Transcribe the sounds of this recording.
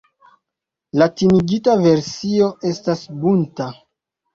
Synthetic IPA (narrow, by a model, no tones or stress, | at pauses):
latiniɡitave̞ɾsio̞ʔe̞stasbunta